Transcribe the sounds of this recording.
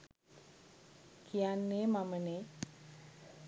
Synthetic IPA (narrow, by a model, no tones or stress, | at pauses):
kʰijanːeːmaməne